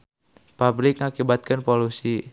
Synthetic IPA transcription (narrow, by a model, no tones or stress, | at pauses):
pabɾɪk̚ŋakibat̪̚kɨnpolusi